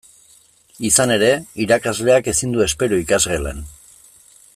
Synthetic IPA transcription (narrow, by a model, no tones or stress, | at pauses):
isane̞ɾe̞iɾakazle̞ake̞sind̪ue̞spe̞ɾuikazɣelḛn